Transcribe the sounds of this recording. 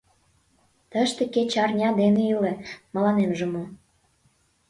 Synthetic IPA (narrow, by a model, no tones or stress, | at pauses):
t̪ə̆ʃt̪ĕket͡ɕɑrnʲɑd̪enĕylĕmə̆lɑnemʒĕmo